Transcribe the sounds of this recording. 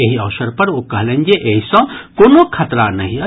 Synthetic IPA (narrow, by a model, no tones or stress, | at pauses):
eɦiɐːʃəɾpɐɾokɐɦlẽːnd͡ʒeʔeɦisɔ̃koːnokʰɐt̪ɾanɐɦĩɐ